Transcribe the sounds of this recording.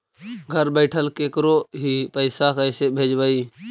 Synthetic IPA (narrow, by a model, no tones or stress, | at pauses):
ɡʱəɾbəɪʈʰəlkeːkɾoːɦiːpəɪsakəɪsebʱeːd͡ʒbəiː